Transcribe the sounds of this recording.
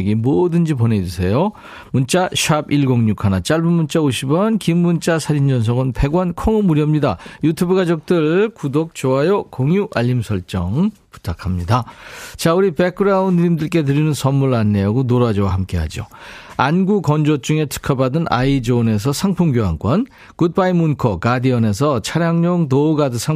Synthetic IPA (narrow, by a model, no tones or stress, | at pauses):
ɡimodɯnd͡ʑipone̞d͡ʑusʰe̞jo | munt͡ɕ͈aɕʰuabiɭɡoŋɲukʰanat͡ɕ͈aɭbɯnmunt͡ɕ͈aoɕʰibʌnkimːunt͡ɕ͈asʰaɾind͡ʑʌns̬ʰʌɡɯnpe̞ɡwʌnkʰʌŋɯmuɾjʌmɲidajutʰubuɡad͡ʑok̚t͈ɯɭkudok̚t͡ɕoɦajokoŋjuʔaʎːimsʰʌɭt͡ɕ͈ʌŋpu̥tʰakʰamɲidat͡ɕauɾipe̞kʰɯɾaunɯimdɯɭk̬͈e̞tɯɾinɯnsʰʌmmuɭanːe̞aɡonoɾad͡ʑʌwahamk͈e̞ɦa̰d͡ʑio̰anɡukʌnd͡ʑot͡ɕ͈uŋe̞tʰɯ̥kʰʌbadɯnʔa̰id͡ʑone̞s̬ʰʌsʰaŋpʰoŋɡjoɦa̰ŋk͈wʌn | kut̚p͈aimːunkʰʌkadiʌne̞s̬ʰʌt͡ɕʰaɾjaŋɲoŋnouɡadɯsʰaŋ